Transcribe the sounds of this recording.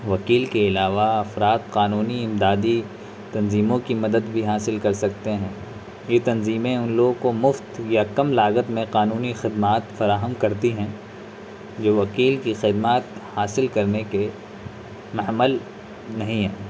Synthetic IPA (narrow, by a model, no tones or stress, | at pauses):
ʋɐkiːlkeɪlaːʋaɐfɾaːt̪qaːnuːniɪmd̪aːd̪i | t̪ɐnziːmõkimɐd̪əd̪bʱiɦaːsɪlkɐɾsɐkt̪eɦɛ̃ː | jet̪ɐnziːmẽʊnloːɡkomʊft̪jakɐmlaːɣət̪mẽqaːnuːnixɪd̪maːt̪fɐɾaːɦəmkɐɾt̪iɦɛ̃ | d͡ʒoːʋɐkiːlkixɪd̪maːt̪haːsɪlkɐɾneke | mɐɦməl | nɐɦĩɦɛ̰̃ː